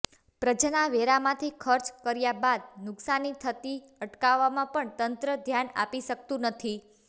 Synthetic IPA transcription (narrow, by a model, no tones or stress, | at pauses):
pɾəd͡ʒnaʋeɾamãt̪ʰikʰəɾt͡ʃkəɾjabad̪̚nʊksanit̪ʰət̪i | əʈkaʋːamãpəɳt̪ənt̪ɾəd̪ʱjana̰piʃək̚t̪ũnət̪ʰi